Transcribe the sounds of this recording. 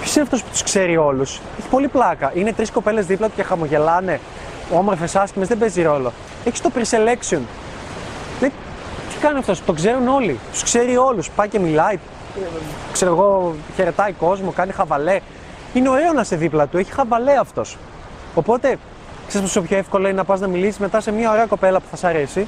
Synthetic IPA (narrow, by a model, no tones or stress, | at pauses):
pçosineɐft̪o̞spu̥t̪u̥skse̞ɾio̞lus | eçi̥po̞liplɐkɐine̞t̪ɾisko̞pe̞le̞zðiplɐt̪u̥ce̞xɐmo̞ʝe̞lɐne̞ | o̞moɾfesɐscimezðebeziɾo̞lo̞ | eçi̥st̪opɾisele̞ksion | ne | t̪ʰi̥kɐniɐft̪o̞st̪okze̞ɾuno̞lit̪u̥skse̞ɾio̞luspɐice̞milɐi | kse̞ɾoɣo̞çe̞ɾe̞t̪ɐiko̞zmo̞kɐnixɐvɐle̞ | ineo̞ɾe̞onɐseðiplɐt̪ue̞çi̥xɐvɐle̞ɐft̪o̞s | opo̞t̪e̞ | ksisposiopçoefko̞loinenɐpɐznɐmilisizme̞t̪ɐse̞miɐoɾeɐko̞pe̞lɐpu̥θɐsɐɾe̞si